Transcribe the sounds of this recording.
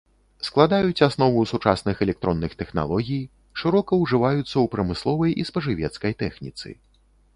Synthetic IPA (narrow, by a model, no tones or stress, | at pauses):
sklˠad̪ajut͡sʲasnɔvusut͡ʂasnɨxɛlʲɛk̚t̪ɾɔnːɨxt̪ɛxna̰lˠɔɣʲij | ʂɨɾɔkɐwʐɨvajut̪sːɐwpɾɐmɨslˠɔvɐjʔḭspɐʐɨvʲɛt̪skɐjt̪ɛxnʲḭt̪sɨ̰